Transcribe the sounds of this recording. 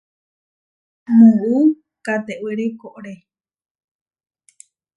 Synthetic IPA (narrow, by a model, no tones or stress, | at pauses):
mũu | kat̪eʔweɾekoʔɾe